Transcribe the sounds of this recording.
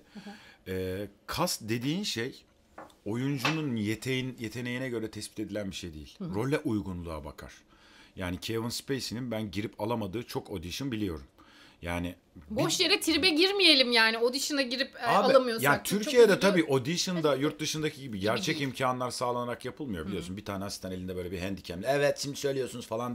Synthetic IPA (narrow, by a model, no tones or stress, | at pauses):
ɛːkʰasd̪e̞d̪iːnʃej | o̞jund͡ʒununjet̪ʰejinjet̪ʰe̞ne̞jinɛɟø̞ɾɛt̪ʰɛspi̥t̪e̞d̪ilʲænbiʃe̞jd̪ejilʲɾo̞lʲːɛʔujɡunlˠuaba̰kʰa̰ɾ̥ | jaːnicʰevɯnspʰejsininbænɟiɾipʰalˠamad̪ɯːt͡ʃʰo̞ko̞d̪iʃɯnbilʲijo̞ɾum | jaːnɪ | boʃjeɾɛt̪ʰiɾbɛɟiɾmije̞lʲimjaːnio̞d̪iʃɯnaɟiɾipaalˠamɯjojaːnit̪ʰyɾcʰijɛd̪ɛt̪ʰabiːʔo̞d̪iʃɯnd̪ajuɾt̪̚d̪ɯʃɯnd̪acʰiɟibiɟæɾt͡ʃʰɛcimcʰaːnlˠaɾsaːlˠanaɾakjapʰɯlˠmɯjo̞bilʲiosunbit̪ʰaːnɛɦasat̪anelʲind̪ɛbøjlʲɛbiɦænd̪icʰɛmlʲɛɛvɛt̪ʃimd̪isø̞jlʲejo̞ɾsunuzfalˠan